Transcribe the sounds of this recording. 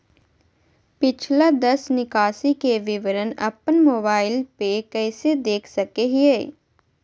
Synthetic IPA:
pɪt͡ʃʰlad̪əsnɪkaːsikeʋɪʋəɾənə̰pənmoːbaːɪlpekɛːsed̪eːkʰsəkeɦieː

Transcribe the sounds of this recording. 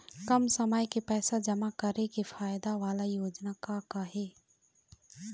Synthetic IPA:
kɐmsəməjkepɛːsad͡ʒɐmakɐɾekefʰaːjd̪aʋaːlajoːd͡ʒnakakaɦeː

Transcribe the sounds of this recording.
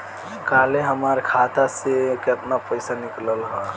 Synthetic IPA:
kaːleɦəmaɾkʰat̪asekeəp̪napəɪsanɪkləlɦɔ

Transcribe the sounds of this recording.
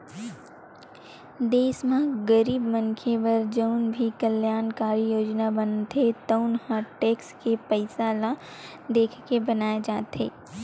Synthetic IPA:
d̪eːsmãɡəɾiːbmənkʰebɐɾd͡ʒəʊnbʱikəljaːnkaːɾijoːd͡ʒnabənt̪ʰet̪ənhãʈeːkskepəɪsaːla | d̪eːkʰkebɐnaːjed͡ʒaːt̪ɦeː

